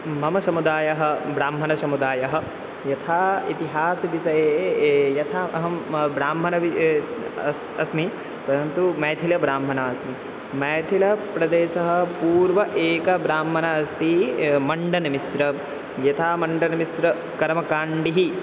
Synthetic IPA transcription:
mɐmɐsɐmud̪aːjɐɦɐ̆bɾaːmɦɐnɐsɐmud̪aːjɐɦɐ̆ | jɐt̪ʰaːit̪iɦaːsɐʋiʃɐjeːjɐt̪ʰaɐɦɐmbɾaːmɦɐnɐʋi | ɐsmi | pɐɾɐnt̪umɐːt̪ʰilɐbɾaːmɦɐnɐɐsmi | mɐːt̪ʰilɐpɾɐd̪eːʃɐɦɐ̆puːɾʋɐʔeːkɐbɾaːmɦɐnɐɐst̪imɐɳɖɐnɐmisɾɐ | jɐt̪ʰaːmɐɳɖɐnɐmisɾɐ | kɐɾmɐkaːɳɖiɦi

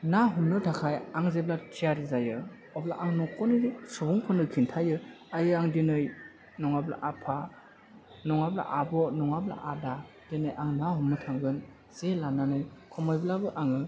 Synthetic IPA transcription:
naɦumnɯtʰakʰajaŋzeblatʰiaɾizajɯ | ɔbla̰ʔaŋnɔkʰɔnisubuŋkʰɔnɯkʰintʰajɯ | ajɯaŋdinɯj | nɔŋabla̰ʔapʰa | nɔŋabla̰ʔabɔnɔŋabla̰ʔada | d̥enɯjaŋnaɦumnɯtʰaŋɡɯn | z̥elananɯjkʰɔmɔjblabɯʔaŋɯ

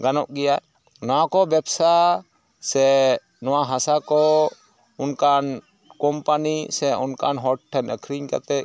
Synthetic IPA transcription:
ɡanɔʔɡɛja | nɔwakɔbɛbsa | sɛ | nɔwaɦasakɔ | ʊnkan | kɔmpanisɛʊnkanɦɔʈʈʰːɛnəkʰɾiɲka̰t̪ɛ

